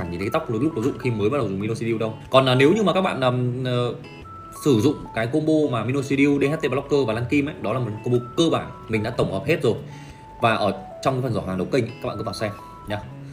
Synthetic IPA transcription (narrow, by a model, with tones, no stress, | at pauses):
aː˧˩ŋɲḭ˨˩t̪ʰə˨˦t̪k͡p̚ːlk͡p̚kɔ˨˧˩zʊ̰˧˨ŋ͡mxi˧məː˨˦jɓə˦˥ɗə˨˩zʊ̰˨ŋ͡mmi˧o˧si˧ɗi˧wɗə˧wkɔ˨˩nlaː˨˩ne˨˦wɲɨ˧ma˨ka˦˥k̚ɓa̰ː˧˨naː˨˩əː˨˩ | sɨ˧˩zʊ̰˧˨ŋ͡mkaː˨˦jko˧ɓo˧maː˨˩mi˧no˧si˧ɗi˧wɗe˧ht̪e˧ɓa˧lkəː˧vaː˨˩laː˧nki˧mʔə˨˦jɗɔ˨˦la˨˩m˨˩tko˧ɓo˧kəː˧ɓaː˧˩nmï˨˩ŋ̟ɗa̰ː˧˥t̪ə˧˩wŋ͡mhɔ˨˩p̚he˦˥t̚zo˨˩j | vaː˨˩ʔəː˧˩ | t͡ɕɔ˧wŋ͡mkaː˨˦fə˨˩zɔ˧˩haː˨˩ŋɗə˨˩wkə˧ŋ̟˨˦a˦˥ɓ̰ːkːtaː˨˩sɛ˧m | ɲaː˨˧